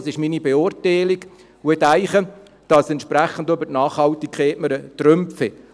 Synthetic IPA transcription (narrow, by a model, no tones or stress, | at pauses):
sɪʃminibeʊːrtaɪliɡ | wɛt̪æɪχə | d̥ɑsɛntʃpɾæχːən̩døbətnɑːχhɑltikχeːtməɾət̪rømpfɪ